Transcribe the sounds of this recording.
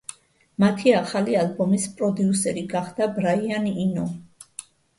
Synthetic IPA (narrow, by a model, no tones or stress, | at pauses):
mat̪ʰiaχalialbɔmispʼɾɔd̪iusɛɾiɡaχd̪̥abɾaianinɔ